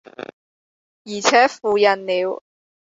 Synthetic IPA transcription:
jiː˨˩t͡sʰɛː˨˥fuː˨˧jɐ˨˩nniː˨˧w

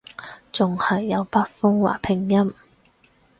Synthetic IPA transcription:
t͡sʊ˨˩ŋhɐ˨jːɐ˨˧wpa˥t̚fʊ˥ŋwa̰ː˨˩pʰɪ˨˩ŋjɐ˥m

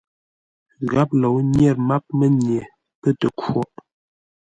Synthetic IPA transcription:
ɣa˦p̚lo˨wnjɛ˦˨ɾma˦p̚mə˦nje˨ | pə˦tə˨kwo˦˨ʔ

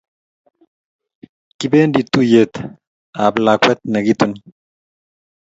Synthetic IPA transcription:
ki˦beː˦nd̪i˨t̪ːu˦jet̪ | aː˨blaː˨kwɛ˦t̪̚nɐ˨ɡit̪u˦n

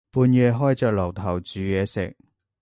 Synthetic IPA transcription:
puː˨˧njɛː˨˧ɦɔː˥jt͡sœː˨k̚lɐ˨˩wt̪ʰɐ˨˩wt͡syː˨˧jɛː˨˧sɪ̰˨˩k̚

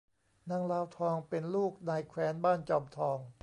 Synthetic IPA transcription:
na˧˥ŋlaː˧wt̪ʰɔː˧ŋpe˧nluː˥˩k̚naː˧jkʰwɛː˧˥nbaː˥˩nt͡ɕɔː˧˩mt̪ʰɔː˧ŋ

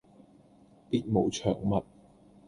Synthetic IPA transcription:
piː˧˥t̚mo˨˩wt͡ʃʰœ̰ː˨˩ŋmɐ˨t̚

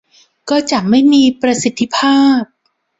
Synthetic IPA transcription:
kɔː˥˩t͡ɕa˨˩ma˥˩jmiː˧pɾa˧si˨˩t̪ʰːi˧˦˥pʰaː˥˩p̚

